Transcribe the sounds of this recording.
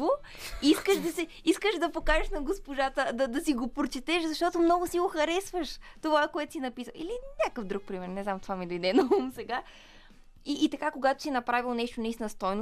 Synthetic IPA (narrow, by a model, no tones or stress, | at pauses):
vo | iskəʃd̪ɐsɛ | iskəʃd̪ɐpokaʒɛʃnɐɡospoʒat̪əd̪ɐd̪ɐsiɡopɾot͡ʃɛt̪ɛʃzɐʃt̪ɔt̪omnɔɡʊsiɡoxɐɾɛsvəʃt̪ovaɛkoɛt̪ʊ̥sinɐpisəilinʲakəfd̪ɾuk̚pɾimɛɾnɛznamt̪ovamid̪ɐjd̪ɛnɐumsɛɡa | iːt̪ɐkakoɡat̪o̥sinɐpɾavilˠnɛʃt̪onɐisnɐst̪ɔjno